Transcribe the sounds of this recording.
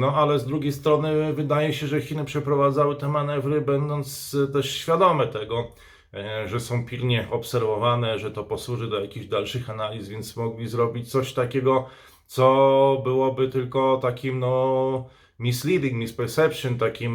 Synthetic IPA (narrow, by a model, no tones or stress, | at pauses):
nɔalɛzd̪ɾuɡʲjejst̪ɾɔnɘvɘd̪ajɛɕɛʐɛxʲinɘpʂɛpɾɔvad̪zawɘt̪ɛmanɛvɾɘbɛnd̪ɔnt̪st̪ɛʂɕfʲjad̪ɔmɛt̪ɛɡɔ | ʐɛsɔ̃w̃pʲilɲɛʔɔpsɛɾvɔvanɛʐɛt̪ɔpɔswuʐɘd̪ɔjakʲiʑd̪alʂɘxanalʲisvʲjɛnt̪smɔɡlʲizɾɔbʲit͡ɕt̪sɔɕt̪akʲɛɡɔ | t̪sɔbɘwɔbɘt̪ɘlkɔt̪akʲimnɔ | mʲislʲid̪ʲiŋɡmʲispɛɾsɛpʂɘnt̪akʲim